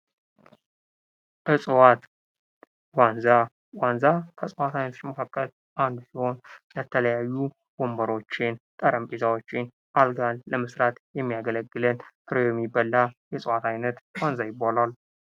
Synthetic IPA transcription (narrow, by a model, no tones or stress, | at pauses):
ʔɨsʼɨwat̪ | wanza | wanzakʰəsʼwat̪ʰajnət̪ʰot͡ʃːməkʰakʼːəl | ʔand̪siho̞nlət̪ʰələjajːu | bombəɾo̞t͡ʃːɪnt̪ʼəɾəmpʼezawot͡ʃːɪn | ʔalɡalːəmɨsɾat̪jɛmːijaɡələɡːɨlənkʰɨɾojɛmːibːəlːajɛsʼwat̪ʰajnət̪wanzajɪbːalal